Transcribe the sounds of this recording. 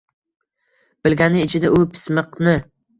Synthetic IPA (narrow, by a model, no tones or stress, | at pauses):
b̥ɪlɡʲanɪːt͡ʃʰɪd̪aʔʊpʰɪ̥smɨqnɪ